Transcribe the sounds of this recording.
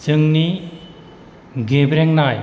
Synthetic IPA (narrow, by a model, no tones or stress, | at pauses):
t͡ʃɯŋni | ɡebɾeŋnaj